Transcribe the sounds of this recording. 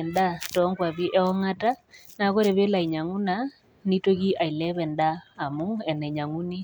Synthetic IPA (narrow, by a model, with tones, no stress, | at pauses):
ɛ˨nda˦tɔ˨˦ŋɡwa˨βi˦ʔɛ˦ɔ˦ŋa˦ta˦ | na˨˦ko˦ɾɛ˨βe˦la˨i˨ɲa˨ŋu˦na˨ | ni˦to˦k̬i˦ʔa˨i˨lɛ˦βɛ˨ndaː˦˨mu˦ɛ˨nɛ˨ɲa˨ŋu˦ni˦